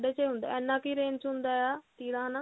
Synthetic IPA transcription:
ɖeːt͡ʃeɦʊ̃nd̪a̰ːɛːnːãːkiːɾeːnt͡ʃɦʊ̃nd̪aːɛaːt̪iːɽãːnãː

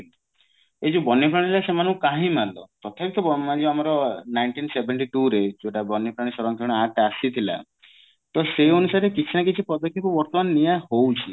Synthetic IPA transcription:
ed͡ʒubɔnjɔp̬ɾaɽ̃ilasemanũkaɦĩmalɔt̪ɔt̪ʰapit̪ɔbmad͡ʒeamaɾɔnajɳʈinsebeɳʈiʈuɾed͡ʒoʈabɔnːjipɾaɽ̃isɔɾɔŋk̪ʰɔ̃aʈasit̪ʰila̰ | t̪ɔseonusaɾekit͡ʃʰinak̬it͡ʃʰipɔd̪ɔkʰːipɔbɔɾt̪ɔmannijahowt͡ʃʰi

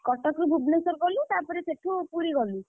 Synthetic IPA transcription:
kɔʈɔkɾubʱubnesɔɾkɔlit̪apɔɾeseʈʰupuɾiɡɔli

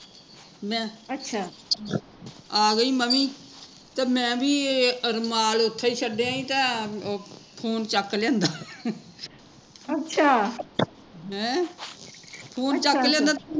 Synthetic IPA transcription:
mɛ̃ːətːʃʰaː | aːɡəiːməmiː | t̪eːmɛ̃ːbiːəɾmaːlʊt̪ʰːaːiːt͡ʃʰəɖeãːĩːt̪ãː | pʰoːnt͡ʃəkːlɛ̃ːnd̪aː | əʃʰaː | ɦɛ̃ː | pʰoːnt͡ʃəkːlɛ̃ːnd̪aː

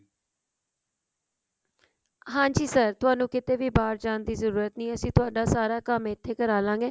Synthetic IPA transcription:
ɦãːɲd͡ʒiːsəɾt̪ʊaːnũːkɪt̪eːʋiːbaːɾd͡ʒaːnd̪iːzəɾuːɾət̪nĩːəsĩːt̪ʊaːɖaːsaːɾaːkəmeɪt̪ʰːeːkəɾaːlãːŋɡeː

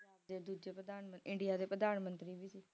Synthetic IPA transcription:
d͡ʒaːbd̪eːd̪uːd͡ʒeːpɾəd̪aːnməɪɳɖɪjaːd̪eːpɾəd̪aːnmənt̪ɾiːʋiːsiː

